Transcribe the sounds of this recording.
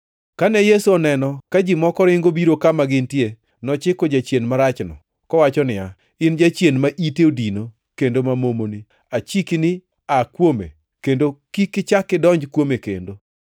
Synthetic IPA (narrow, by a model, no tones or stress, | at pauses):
kanɛjesuɔnɛnɔkad͡ʒɪmɔkɔɾɪŋɡobiɾokamaɡɪntje | nɔt͡ʃɪkɔd͡ʒat͡ʃjenmaɾat͡ʃnɔ̰ | kɔwat͡ʃɔnɪja | ɪnd͡ʒat͡ʃjenmaʔiteodino | kendomamomoni | at͡ʃiknɪ | akwomḛ | kendokikɪt͡ʃakːɪdɔɲd͡ʒkwomekḛndo